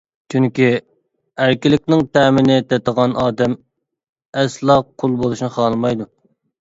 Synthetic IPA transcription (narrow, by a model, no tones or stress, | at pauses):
t͡ʃʰyŋkʲi | æɾkʲɪlɪk̚ʲnɪŋt̪ʰɛːmɪnɪt̪ɛt̪əʁɑnɑːd̪ɛm | ɛslˠɑqʰːolˠbolˠuʃnɨχɑːlˠmɑjd̪u